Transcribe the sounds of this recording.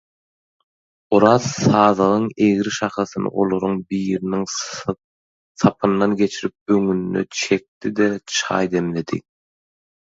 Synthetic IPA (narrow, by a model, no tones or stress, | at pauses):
uɾɑzsɑːðʁɯŋeɣɾiʃɑχɑθɯnɯ̰ʔolˠo̞ɾuŋbiːɾiniŋ | sʰɑpʰɯnːɑnɡʲe̞t͡ʃʰiɾip̚øŋynːø̰t͡ʃʰe̞k̚t̪id̪et͡ʃʰɑ̰ːjd̪e̞mle̞d̪ḭ